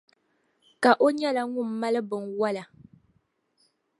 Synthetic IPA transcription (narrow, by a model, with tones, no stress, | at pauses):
ka˨ʔo˦ɲɛ˦la˨ŋʊ˦˨m̩ː˦a˦lɨ˦bɨ˨nwa˦la˨